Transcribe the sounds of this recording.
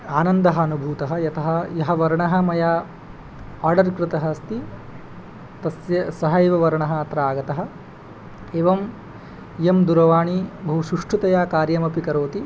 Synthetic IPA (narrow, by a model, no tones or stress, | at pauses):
aːnɐnd̪ɐɦɐːnubʱuːt̪ɐɦɐjɐt̪ʰɐɦɐ̆jɐɦɐʋɐɾɳɐɦɐ̆mɐjaː | aːɾɖɐɾkɾɪt̪ɐɦɐst̪i | t̪ɐsjɐsɐɦɐjʋɐʋɐɾɐɳɐɦɐ̆ɐt̪ɾaːɡɐt̪ɐɦɐ̆ | eːʋɐm | jemd̪uɾɐʋaːɳibʱɐɦuʃuʂʈʰut̪ɐjaːkaːɾjɐmɐpikɐɾoːt̪i